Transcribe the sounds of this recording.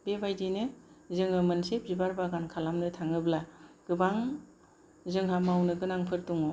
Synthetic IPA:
bebajdinɯzɯŋɯmɯnsep̚zibaɾbaɡankʰalamnɯtʰaŋɯblaɡ̥ɯbaŋ | zɯŋɦamawnɯɡɯnaŋpʰɯɾtuŋɔ

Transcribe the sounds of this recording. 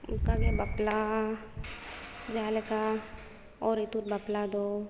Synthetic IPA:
ʊ̰kaɡebɐpla | d͡ʒaːlka | ɔːɾit̪uɾ̚baplad̪o

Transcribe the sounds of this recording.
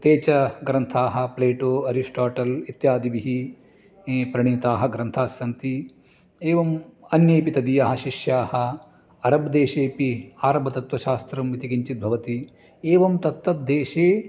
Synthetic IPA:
t̪eːt͡ʃɐɡɾɐnt̪ʰaːɦɐ̆pleːʈoːɐɾiʂʈaːʈɐlit̪jaːd̪iʋiɦi | pɾɐɳ̃iːt̪aːɦɐ̆ɡɾɐnt̪ʰaːsjɐnt̪i | eːʋɐmɐnjeːpit̪ɐd̪ijɐɦɐʃiʃjaːhɐ̆ | ɐɾɐbd̪eːʃeːpiaːɾɐbɐt̪ɐt̪ʋɐʃaːst̪ɾɐmʋit̪ikiɲt͡ʃit̪̚bʱɐʋɐt̪i | eːʋɐmt̪ɐt̪ʋɐt̪̚d̪eːʃeː

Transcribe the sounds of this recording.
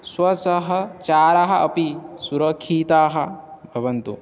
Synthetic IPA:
swɐsɐɦɐt͡ʃaːɾaɦɐ̆ʔɐpisuɾɐkʰːiːt̪aːɦɐbʱɐʋɐnt̪ṵ

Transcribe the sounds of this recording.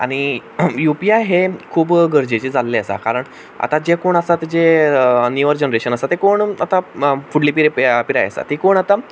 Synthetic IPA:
a̰ɽ̃ijupiajɦekʰuːbɡəɾd͡ʑet͡ɕid͡zalːeəsa̰kaɾəɳ | a̰t̪ad͡ʑekoɳəsat̪d͡ʑeniʋəɾd͡ʑənɾeɕənəsat̪ekoɳat̪afuɽlipiɾeppiɾa̰jə̰sa̰t̪ikoɳat̪a

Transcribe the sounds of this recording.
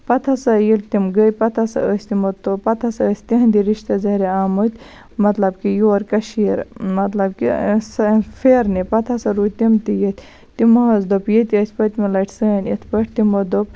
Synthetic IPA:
pɐt̪ʰɐsɐjilt̪imɡəjpɐt̪ʰɐsɐ̰əsʲt̪imot̪opɐt̪ʰɐsɐəsʲt̪iɦɐnd̪iɾiʃt̪ɐzɐɾeaːmɨt̪ʲ | mɐt̪lɐbkijoːɾkɐʃiːɾmɐt̪lɐb̚kḭsfeːɾnipɐt̪ʰɐsɐɾut̪imt̪ijit̪ʲ | t̪imɐɦɐzd̪opjet̪ʲiəsʲpɐt̪ʲmilɐʈʰsəːnʲit̪ʰpɐʈʰt̪imod̪op̚

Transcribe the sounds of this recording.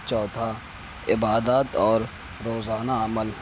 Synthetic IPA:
t͡ʃɔːt̪ʰa | ɪbaːd̪aːt̪ɔːɾ | ɾoːzaːnaɐməl

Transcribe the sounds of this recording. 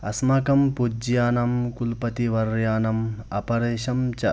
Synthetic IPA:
ɐ̰smɐkɐmpud͡ʒjaːnɐmkulpɐt̪iʋɐɾjaːnɐmɐ̰pɐɾeːʃɐmt͡ʃɐ

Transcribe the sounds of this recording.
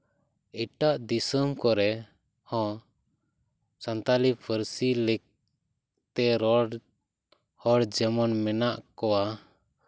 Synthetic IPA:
iʈaʔd̪isəmkɔɾɛ | hɔ̃ | sant̪alipʰəɾsilɛk̚ | t̪ɛɾɔ | hɔɽd͡ʒɛmɔnmɛnaʔkɔwa

